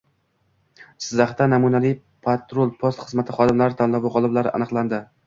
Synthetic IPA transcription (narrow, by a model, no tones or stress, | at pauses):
sɪzaχt̪anamunavij | pʰat̪ɾolˠpʰost̪χɨzmat̪ʰɪχɒd̪ɪmlaɾɪt̪ʰanlavʊʁɒlˠɪblaɾɪʔa̰nɨqlˠand̪ɪ